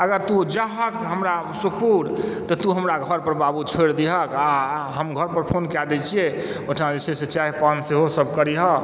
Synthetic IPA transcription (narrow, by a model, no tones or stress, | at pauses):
əɡəɾt̪ud͡ʒaɦəkɦəmɾa | supuɽt̪ɔt̪uɦəmɾaɡʱəɾpəɾbabut͡ʃʰoɾd̪iɦəkaɦəmɡʱəɾpəɾpʰonkjad̪ɛt͡ʃʰie | oʈʰnad͡ʒesʰeset͡ʃaɦipanseɦosəb̚ʱkəɾiɦɔ